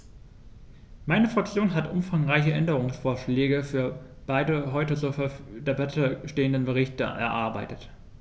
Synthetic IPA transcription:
maɪnəfʁ̥ak̚t͡sjoːnɦatʔʊ̰mfaŋʁaɪçəʔɛndəʁʊŋsfoːɐʃlɛːɡəfyːɐb̥aɪdəɦɔʏtət͡suːffdebatʰəʃteːəndənbəʁ̞ɪçtə̰ʔɛ̰ɐʔaɐbaɪtət

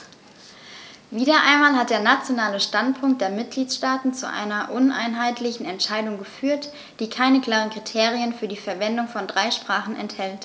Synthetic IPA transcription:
viːdɐʔa̰ɪnmaːlhat̚d̥eːɐnat͡sjonaːləʃtantpʰʊŋkt̚d̥eːɐmɪt̚ɡ̥liːtʃtaːtn̩t͡sṵʔa̰ɪnɐʔʊnʔa̰ɪnɦaɪtʰlɪçn̩ɛntʃaɪdʊŋɡəfyːɐt | d̥iːkʰaɪnəkl̥aːʁ̞ənkʁ̥itʰeːʁiənfyːɐdiːfɛɐvɛndʊŋfɔndʁaɪʃpʁ̥aːχn̩ɛ̰nthɛlt

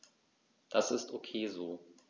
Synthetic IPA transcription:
d̥asɪstʔokʰeːzoː

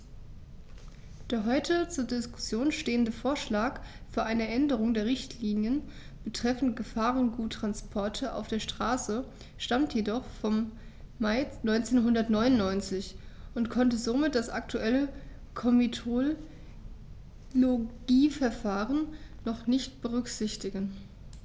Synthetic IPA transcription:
d̥eːɐɦɔʏtʰət͡suːɐdɪskʊ̥sjoːnʃteːəndəfoːɐʃlaːkfyːɐʔaɪnəʔɛndəʁ̞ʊŋdeːɐʁ̞ɪçtʰliːnjən | b̥ətʁ̥ɛfn̩tɡ̥əfaːʁənɡuːtːʁ̥anspʰɔɐtʰəʔa̰ʊfd̥eːɐʃtʁ̥aːsə | ʃtamtʰjedɔχfɔmːaɪnɔʏnt͡seːnɦʊndɐtnɔʏnʊnːɔʏnt͡sɪçʔʊntkʰɔntəzomɪt̚d̥asʔak̚tʰuʔɛlə | kʰɔmitʰo | oɡ̥iːfɛɐfaːʁənː | ɔχnɪçtb̥əʁ̞ʏkz̥ɪçtɪɡən

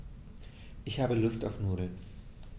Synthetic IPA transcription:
ʔɪçhaːbəlʊstaʊfnuːdl̩

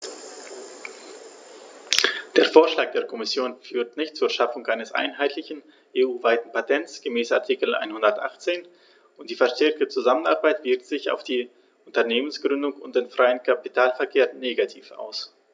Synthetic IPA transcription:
d̥eːɐfoːɐʃlaːk̚d̥eːɐkʰɔmɪsjoːnfyːɐtnɪçt̚t͡suːɐʃafʊŋʔaɪnəsʔa̰ɪnɦaɪtʰlɪçn̩ | ʔeːuːvaɪtn̩pʰatʰɛntt͡sɡ̥əmɛːsa̰ɐtʰiːkl̩ʔa̰ɪnhʊndɐtʔa̰χt͡seːn | ʔʊntd̥iːfɛɐʃtɛɐk̚tət͡suzamənaʁbaɪtv̥ɪɐk̚tz̥ɪça̰ʊfd̥iː | ʔʊntɐneːmənsɡ̥ʁʏndʊŋʊntd̥eːnfʁ̥aɪənkʰapitʰaːlfɛɐkʰeːɐnːeːɡatʰiːfa̰ʊs

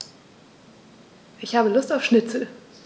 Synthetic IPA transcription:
ʔɪçhaːbəlʊstaʊfʃnɪt͡sl̩

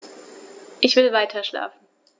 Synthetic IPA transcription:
ʔɪçv̥ɪːəvaɪtʰɐʃla̰ːfn̩

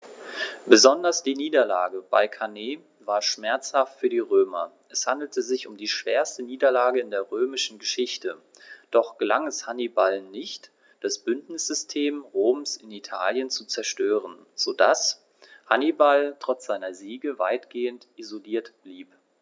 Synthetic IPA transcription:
b̥əzɔndɐsd̥iːniːdɐla̰ːɡəb̥a̰ɪkʰaneː | vaːɐʃmɛɐt͡shaftfyːɐdiːʁøːmɐ̰ | ʔɛshandl̩təzɪçʊmdiːʃv̥eːɐstəniːdɐlaːɡəɪndeːɐʁøːmɪʃn̩ɡəʃɪçtə | d̥ɔχɡ̥əlaŋɛshanibalnɪçt | d̥asb̥ʏntnɪsz̥ʏstʰeːmʁoːmsɪnitʰa̰ːljənt͡sut͡sɛɐʃtøːʁən | z̥odas | hanibaltʁ̥ɔt͡sz̥aɪnɐziːɡəva̰ɪtɡ̥eːəntʔizoliːɐtb̥liːp

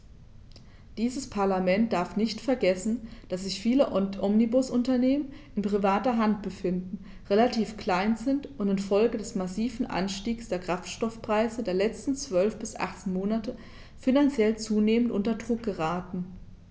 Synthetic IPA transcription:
d̥iːzəspʰaɐlamɛnt̚d̥aɐfnɪçtfɛɐɡɛsn̩d̥as̬z̥ɪçfiːləʔɔmnibʊsʊntɐneːmənʔɪnpʁ̥ivaːtɐɦant̚b̥əfɪndn̩ | ʁelatʰiːfkl̥aɪnzɪntʔʊntɪnfɔlɡədɛsmasiːvn̩ʔa̰nʃtiːksd̥eːɐkʁ̥aftʃtɔfpʁ̥aɪzədeːɐlɛt͡stn̩t͡sv̥œlfb̥ɪsʔa̰χt͡senmoːnatə | finant͡sjɛlt͡suːneːməntʔʊntɐdʁʊk̚ɡ̥əʁaːtn̩

